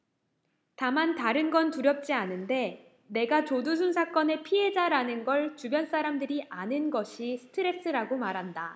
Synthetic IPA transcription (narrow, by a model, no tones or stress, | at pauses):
tamantaɾɯnɡʌntuɾjʌp̚t͡ɕ͈ianɯnde̞ | ne̞ɡat͡ɕodus̬ʰunsʰak͈ʌne̞pʰiɦe̞d͡ʑaɾanɯnɡʌɭt͡ɕubjʌns͈aɾamdɯɾiʔanɯnɡʌɕʰisʰɯ̥tʰɯɾe̞s͈ʰɯɾaɡomaɾɦanda